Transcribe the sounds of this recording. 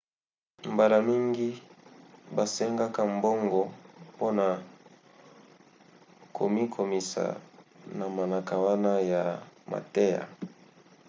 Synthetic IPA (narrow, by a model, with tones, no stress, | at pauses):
mba˨la˨mi˦ŋɡi˦ | ba˨sɛ˦ŋɡa˦ka˨m˦bo˦ŋɡɔ˨po˦na˨ | kʰo̰˨mi˦kʰo˨mi˨sa̰˨na˨ma˨na˨ka˨wa˦na˦ja˨ma̰˨te˦ja̰˨